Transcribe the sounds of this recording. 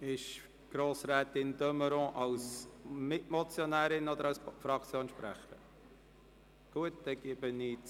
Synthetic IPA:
ɪʃ | ɡ̥ɾoːsɾɛːtɪndœməɾɔ̃ʔɑʊsmɪtmɔt͡sjɔnɛːɾɪnɔd̪əɾɑwsfɾɑkt͡sjoːnʃpɾæ̰χəɾə | ɡ̥uət̚d̥ɛɡ̥ɪbənit͡s

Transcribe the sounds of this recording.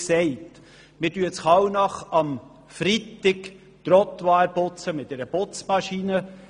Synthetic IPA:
sɛɪt | mɪdyət͡sχɑwnɑχɑm | fɾitɪk | t̪ɾɔt̪ʋɑːɾpʊt͡səmɪt̪̚dɛɾəbot͡smɑʃinə

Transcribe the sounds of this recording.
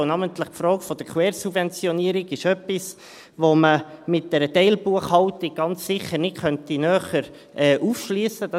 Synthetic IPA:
nɑmənt̪ləχpfɾɔːkfɔd̥̪əɾkʰwɛːɾsubvɛnt͡sjɔniəɾiɡɪʃœpːis | ʋoməmɪt̚d̥ɛɾətɛɪlbuəχhɑʊtiɡ̚ɡ̥ɑnt͡ssɪχəɾnɪtχœntinœːχəɾ | ʔɛːʔufʃliəsəd̥ɑ

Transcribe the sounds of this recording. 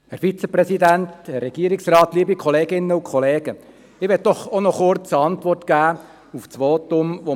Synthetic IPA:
hɛɾfit͡səpɾɛsidænt̪hɛrːɛɡ̥iəɾɪksrɑːt̪liːbikʰɔleːɡɪnːəukʰɔleːɡ̥ə | ɪʋɛt̚d̥ɔχonɔχʊrt͡səɑntʋɔrtkæː | uft͡sʋoːt̪ʊmʋo

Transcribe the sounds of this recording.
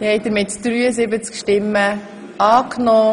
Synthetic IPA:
hɛɪdəɾmɪtd̪̥ɾyːəzɪbət͡skʃtɪmːə | ʔɑːknɔː

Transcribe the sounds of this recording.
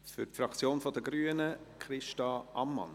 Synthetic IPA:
fʏɾtfɾɑkt͡sjoːnfɔd̪əɡɾyːənəkʰɾɪʃtɑʔɑmːɑ̰n

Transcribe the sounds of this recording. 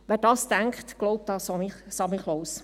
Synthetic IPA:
ʋɛːɾdɑːstæŋkχtɡ̥lɔʊp̚td̥ɑːsmɪsɑmiχloːs

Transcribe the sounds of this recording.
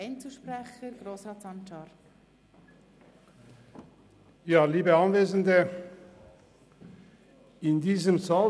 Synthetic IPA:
ɪnt͡suːʃprɛχəɾɡɾoːsrɑːtsɑnʃɑɾ | jaːliːbəɑnveːzəndə | ɪndiːzəmzaː

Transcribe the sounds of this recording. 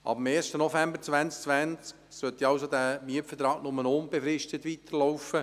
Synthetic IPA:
ʔɑ̰bm̩eːrʃtənɔfæmbəɾt͡sʋænt͡sk̚t͡sʋænt͡sk | sœt̪iɑwsod̪æːmyəpfət̪ɾɑːɡnʊmənʊnbefɾɪʃtət̪ʋit̪əɾlɔwfə

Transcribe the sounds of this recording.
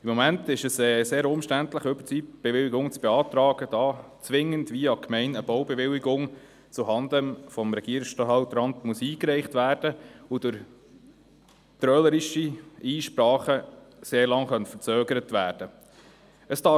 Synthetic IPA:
ɪmːɔmæntɪʃəsɛːseːɾʊmʃtæntləχʏb̥t͡siːb̥eʋɪlɪɡʊŋt͡sb̥ɛɑːt̪ɾɑːɡ̥əd̥ɑː | t͡sʋɪŋːəndʋiɑkʰmɛɪnəb̥ɔwbɛʋɪlɪɡʊŋ | t͡suɦɑndənfɔmɾɛɡ̥iəɾɪksʃtɑɦɑwt̪ɾɑnt̪musiːkɾɛɪχtʋæːɾd̥əʊdʊɾ | t̪ɾœləɾiʃiiːʃpɾɑːχə | seːɾlɑŋχœntfəɾt͡søːɡəɾətʋæːɾd̥ə | əsd̥ɑ

